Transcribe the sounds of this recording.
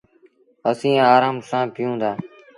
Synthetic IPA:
əsĩːaːɾaːmsãːpɪjũːd̪aː

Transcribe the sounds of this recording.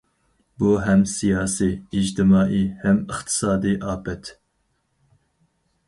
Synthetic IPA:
buɦɛmsijɑːsiːd͡ʒt̪ʰɨmɑːʔihɛmɨχt̪ʰɨ̥sɑːd̪iʔɑːpɛt̪

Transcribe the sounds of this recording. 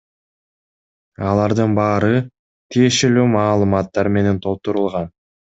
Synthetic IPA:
ɑlˠɑɾd̪ɯnbɑːɾɯ | t̪ʰije̞ʃe̞lyːmɑːlˠɯmɑt̪ːɑɾme̞ne̞nt̪ʰo̞lˠt̪uɾulˠʁɑn

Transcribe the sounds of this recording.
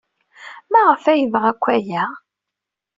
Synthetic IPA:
mæʁəfæjəvʁækʷːæjæ

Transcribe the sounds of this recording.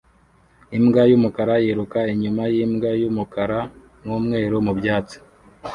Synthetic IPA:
imɡajuːmukaɾajeɾukaiɲumajiːmɡajumukaɾa | ŋuːmŋe̞ːɾomubjaːt͡si̥

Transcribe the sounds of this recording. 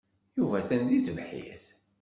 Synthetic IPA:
juvæθænd̪iθəvħḭθ

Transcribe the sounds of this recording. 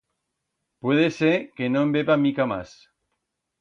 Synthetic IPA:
pwe̞ðesekenoembeβamikama̰s

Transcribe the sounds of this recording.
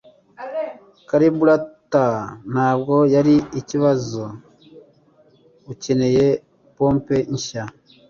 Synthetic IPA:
kaɾibuɾatan̥aːb̚ɡo̞jaɾiiciβazo | uce̞ne̞je | poːmpe̞ɲʃa

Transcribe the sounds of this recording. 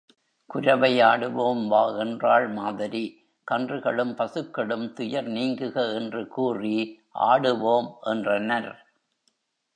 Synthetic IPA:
kʊɾɐʋɐjaːɽɯʋoːmʋaːɛndraːɭmaːðɪɾi | kɐndrɯɣɐɭɯmpɐsɯkːɐɭɯmt̪ʊjɐɾniːŋɡɯɣɐɛndrɯkuːri | ʔa̰ːɽɯʋoːmʔɛndrɐnɐɾ

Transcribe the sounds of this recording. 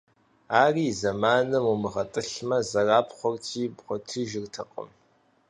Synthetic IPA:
aːriːzɐmaːnɨmumɨʁɐtʼɨɬmɐzɐraːpχʷɔrtʰiːbχʷɔtʰɨʒɪrtʰɐqʼə̰m

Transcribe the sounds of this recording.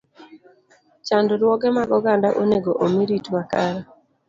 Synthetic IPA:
t͡ʃandɾwɔɡɛmaɡɔɡandaʔoneɡoʔomiɾitwakaɾa

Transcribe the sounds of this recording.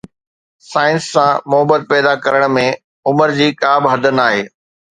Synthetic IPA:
saːɪ̃nsːãmʊɦəbət̪̚pɛːd̪akɐɾəɽ̃mẽ | ʊməɾd͡ʑiːkaːbɪɦɐd̪ʱənaːɦeː

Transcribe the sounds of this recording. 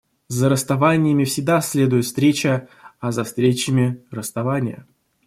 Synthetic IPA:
zəɾəst̪ɐvanʲɪjəmʲɪfsʲɪɡ̚d̪asʲlʲe̞d̪ʊjɪt̪fst̪ɾʲet͡ɕəɐzɐfst̪ɾʲet͡ɕɪmʲɪrəst̪ɐvanʲɪjə̰

